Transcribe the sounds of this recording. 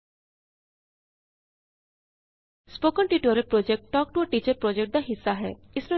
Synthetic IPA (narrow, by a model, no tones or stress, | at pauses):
spoːkəɳʈiːʈəɾepɾoːd͡ʒek̚ʈʈɔːk̚ʈuəʈiːt͡ʃəɾpɾɔːd͡ʒekʈ̚d̪aɦɪsːaɦɛ̰ː | ɪsɾo